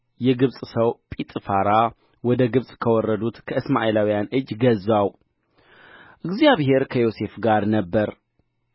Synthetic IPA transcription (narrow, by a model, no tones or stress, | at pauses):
jɛɡɨβsʼsəwpʼit̪ʼɨfaɾa | wɔd̪əɡɨβsʼkʰəwɔrːəd̪ut̪kʰəɨsma̰ʔelawijanʔɨd͡ʒːɡəzaw | ʔɨɡzjaβɦe̞ɾkʰəjo̞se̞fɡaɾnəbːəɾ